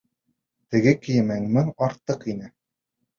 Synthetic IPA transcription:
t̪ɘ̆ɡɘkɘ̆jɘ̆mæŋmɘŋɑɾt̪ːɤqinɘ

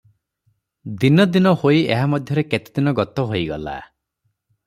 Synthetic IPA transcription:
d̪inɔd̪inɔhoieɦamɔd̪ʱjɔɾeket̪i̥d̪inɔɡɔt̪ɔɦoiɡɔla̰

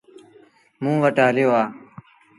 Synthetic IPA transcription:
mũːʋəʈaːljoːaː

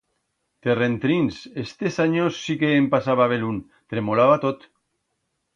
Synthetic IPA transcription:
t̪erent̪ɾinsest̪esaɲosːikeːmpasaβaβelun | t̪ɾemolaβat̪ot̪

